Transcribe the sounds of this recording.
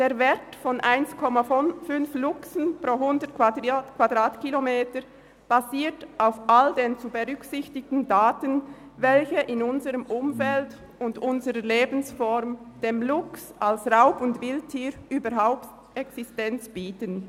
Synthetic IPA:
d̥eːɐvɛɐtfɔnʔaɪnskʰɔmafʏnflʊksən̩pʁoːɦʊndətkʰakʰv̥adʁaːtkʰilomeːtə | b̥aziːtʔaʊfʔaldeːnt͡subəʁʏksɪçtɪɡtn̩daːtən | vɛlçəʔɪnʊnzəʁəmʔʊmfɛlt | ʊndʊnzəʁəleːbn̩sfɔʁmd̥eːmlʊksʔalsʁaʊpʊndvɪltʰːiːɾʔyːbəɾɦaʊpt | ʔɛksɪstɛnt͡sb̥iːtən

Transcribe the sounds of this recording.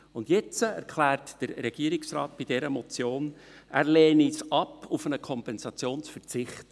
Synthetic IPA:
ʊndjɛt͡səæ̰ɾkʰlæːrtd̥əɾːɛɡ̥iːəɾiksrɑ̰ːt̚b̥id̥ɛɾəmɔt͡sjoːn | ʔæːɾleːnisɑpʰufənəkʰɔmpɛnzɑt͡sjoːnsfərt͡sɪχt

